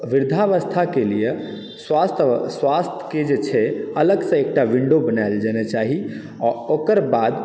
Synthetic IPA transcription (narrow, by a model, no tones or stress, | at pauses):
ʋiɾd̪ʱaʋəst̪ʰakelije | swast̪ʰsʋast̪ʰə̥ked͡ʒet͡ʃʰɛələɡsə̃ek̚ʈaʋiɳɖobənaɪld͡ʒɛnɛt͡ʃaɦi | ɔɾokəɾbad̪